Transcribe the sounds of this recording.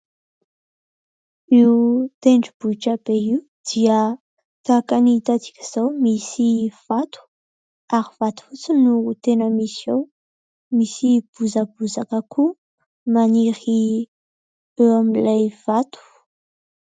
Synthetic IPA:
iwut̪eɳɖ͡ʐib̥uʈ͡ʂab̥eiw | d̪̥iə | t̪akanit̪at͡si̥kʲi̥z̥awmisiv̥at̪u̥ | aɾiv̥at̪u̥fut͡sinuut̪enəmisjo | misib̥uzabuzakəkʰu | maniɾi | ewamilajv̥at̪u̥

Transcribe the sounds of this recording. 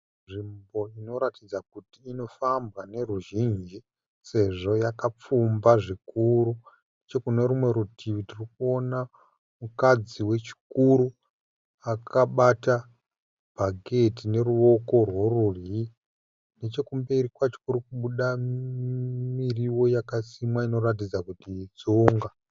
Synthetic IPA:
ʐimbo̞ino̞ɾatid͡zakutiːno̞fambɣane̞ruʒind͡ʒi | se̞ʐo̞jakap͡fumbaʐikuɾunnet͡ʃe̞kune̞ɾumwe̞ɾutʰiʋitirikuo̞na | mukad͡ziwe̞t͡ʃi̥kuɾu | akʰaɓata | bʱaɡʱe̞tine̞ruo̞ko̞rwo̞rurii | net͡ʃe̞kumbeɾikwat͡ʃi̥kuɾukuɓuɗa | miriwo̞jakasimwaino̞ɾat̬id͡zakutiːd͡zuːŋɡa

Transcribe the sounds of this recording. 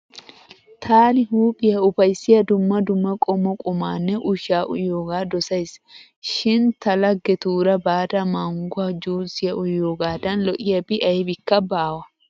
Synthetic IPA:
t̪ʰaːnɪɦuːpʼɪjɐʊfɐjsːɪjɐd̪ʊmːɐd̪ʊmːɐkʼɔmːɔkʼʊmaːnːɛʔʊʃaːʔʊ̰joːɡaːd̪ɔsɐjs | ʃɪnt̪ɐlɐɡːɛt̪uːɾɐbaːd̪ɐmɐŋɡʊɐd͡ʒuːsɪjɐʔʊjːoːɡaːd̪ɐnlɔʔɪjɐbɪʔɐjbɪkːɐbaːwɐ

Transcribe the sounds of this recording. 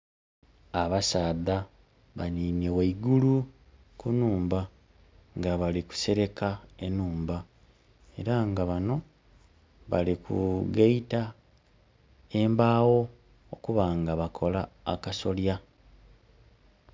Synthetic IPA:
aβasaːða | βaniːmjeweiɡulu | kunuːmba | ŋɡaβaliku̥se̞ɾe̞kaenuːmba | e̞̰ɾaŋɡaβano̞ | βalikṵɡeita | e̞mbaːwo̞ | okuβaŋɡaβakʰo̞la̰ːkaso̞lja

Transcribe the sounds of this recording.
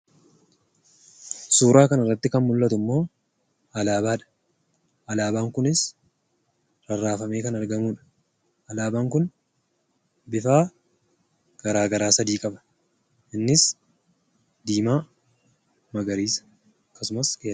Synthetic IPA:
suːɾaːkɐnɐrːɐt̪ːɪkɐnmʊlːɐt̪ʊmːo̞ː | ɐlaːbaːᶑɐ̥ | ʔɐlaːbaːŋkʊnɪs | ɾɐrːaːfɐme̞ːkɐnɐɾɡɐmuːᶑɐ̥ | ɐlaːbaːŋkʊn | bɪfaː | ɡ̥ɐɾaːɡɐɾaːsɐd̪iːkʼɐbɐ̥ | ʔɪnːɪs | d̪iːmaː | mɐɡɐɾiːs | ɐkːɐsʊmɐskeː

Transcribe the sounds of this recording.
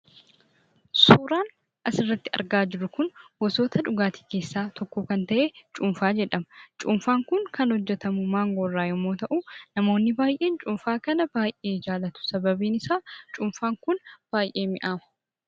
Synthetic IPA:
suːɾaːn | ʔɐsɪrːɐt̪ːɪɐ̰ɾɡaːd͡ʒɪɾʊkʊnwɔso̞ːt̪ʰɐᶑʊɡaːt̪i̥ːke̞ːsːaːt̪ɔkːuːkɐnt̪ɐʔeːt͡ʃʼʊmfaːd͡ʒɛᶑɐmɐt͡ʃʼʊmfaːŋkʊŋkɐnhɔd͡ʒːɛt̪ɐmʊmaːŋɡɔrːaːjɛmoːt̪ɐʔunɐmo̞ːnːɪbaːjʔe̞ːnt͡ʃʼʊmfaːkɐnɐb̥aːjʔe̞ːd͡ʒaːlɐt̪ʊ̥sɐbɐbiːnɪsaːt͡ʃʼʊmfaːŋkʊnb̥aːjʔe̞ːmɪʔaːmɐ

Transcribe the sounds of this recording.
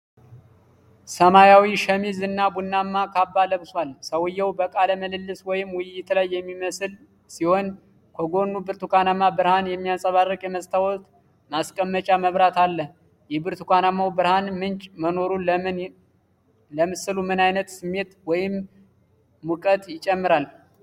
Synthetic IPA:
səmajawiʃəmizɨnːabunːamːakʰabːaləβswalsəwɨjːɛwbəkʼaləməlɨlːɨswɔjɪmwʊjːɪt̪lajːɛmːiməsl | siho̞n | kʰoɡo̞nːubɨɾt̪ukʰanamːabɨɾhanjɛmːijasʼəβarːəkʼjɛməsʼt̪ʰawɔt̪ | maskʼəmːət͡ʃʼaməβɾat̪alːə | jɛbɨɾt̪ʰukʰanamːawbɨɾhanmɨnt͡ʃʼməno̞ɾul | ləmɨsɨlumɨnajnət̪sɨmːe̞t̪wɔjɪmː | ukʼət̪jɪt͡ʃʼːɛmːɨɾal

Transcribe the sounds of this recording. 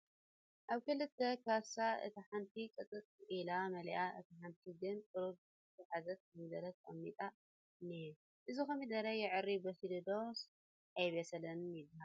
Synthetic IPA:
ʔaβkɨlɨt̪ʰːɐkʰasaʔɨ̰t̪ʰiħant̪ʰikʼɨt͡sʼɨt͡s̪ʼilamɐljʔaʔɨ̰t̪ʰiħant̪ʰiɡɨnkʼɨɾob | t̪ʰɐħazɐt̪̚mid̪ɐɾɐt̪ɐmːit̪ʼa | ne | ʔɨzixɐmid̪ɐɾɐjɪʕɨrːibɐhilod̪os | ʔajβesɐlɐnmid̪ha

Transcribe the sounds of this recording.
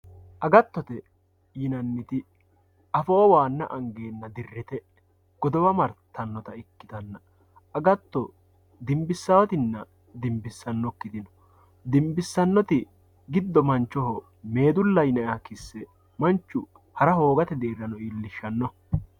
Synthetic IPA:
ʔɐɡɐt̪ːɔt̪ɛ | jɪnɐnːɪt̪ɪ | ɐfɔɔwaːnːɐ̰ʔɐŋɡe̞ːnːɐd̪ɪrːɪt̪ɛ | ɡ̥ɔd̪ɔwɐmɐɾt̪ʰːɐnːɔt̪ɐɪkːɪ̥t̪ɐnːɐ | ɐɡɐt̪ːɔ | d̪ɪmbɪsːɐwɐt̪ɪnːɐ | d̪ɪmbɪsːɐnːɔkːɪd̪ɪnɔ̥ | d̪ɪmbɪsːɐnːɔt̪ɪ | ɡɪd̪ːɔmɐnt͡ʃːɔɦɔ | me̞ːd̪ʊlːɐjnɐjakɪsːɛ | mɐnt͡ʃːʊ | hɐɾɐho̞ːɡɐt̪ɛd̪eːɾɐnɔilːɪʃːɐnːɔ

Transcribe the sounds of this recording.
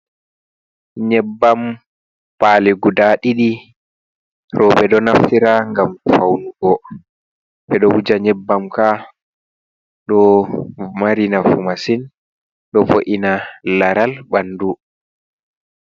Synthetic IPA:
ɲɛbːam | paliɡudaɗiɗi | ɾʔɔːbɛɗɔnaftiɾaŋɡamfawnuɡɔ | bɛɗɔwud͡ʒaɲɛbːamka | ɗɔ | maɾinafumasin | ɗɔfoʔinalaɾalbandu

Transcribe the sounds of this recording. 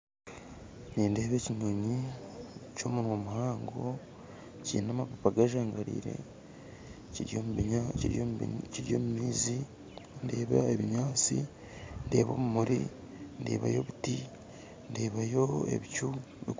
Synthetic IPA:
niːnde̞ːβe̞ːciɲoɲi | co̞munwomuhaːŋɡo̞ | cḭːnamapapaɡaʒaːŋɡaɾḭːɾe̞̰ | ciɾjo | ciɾjo̞mumiːzi | nde̞ːβaeβiɲaːt͡si | nde̞ːβo̞̰ːmumuɾḭ | ndḛːβa̰jo̞̰βuti | nde̞ːβajo̞e̞̰βicu | βḭ

